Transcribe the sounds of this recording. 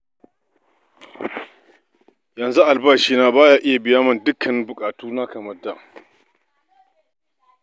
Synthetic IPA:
jɐ˨nzu˦ʔa˨lbaː˦ʃiː˦naː˦baː˦jaː˦ʔɪ˦ja˨bɪ˨jaː˦mɐ˦ndʊ˦kʰɐ˨nbʊ˨kʼaː˨tuː˦na˦kɐ˨mɐ˦rda˨

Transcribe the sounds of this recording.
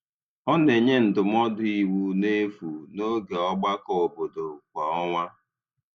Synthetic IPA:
ɔ˦ne˨ɲe˦n̩˨dʊ˨m̩˦ɔ˦dʊ˦i˨wu˦ne˦fu˨no˦ɡe˨ɔ˦ɡ͡ba˦kɔ˨bo˨do˨kʷa˨ɔ˦ŋʷa˦

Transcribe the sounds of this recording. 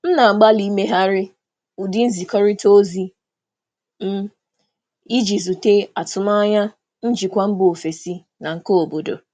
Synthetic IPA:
m̩˦na˨ŋ͡m̩˨ɡ͡ba˦li˦me˦ɦa˦ɾɪ˦ | u˨di˦n̩˦zi˨kɔ˦ɾɪ˦to˦zi˦ | m̩˦ | i˦d͡ʒi˨zu˨te˦a˨tʊ˨ma˦a˦ɲa˦ | n̩˦d͡ʒi˨kʷa˦m̩˦bo˨o˨fe˨si˦ | na˨ŋ̩˦ko˦o˨bo˨do̰˨

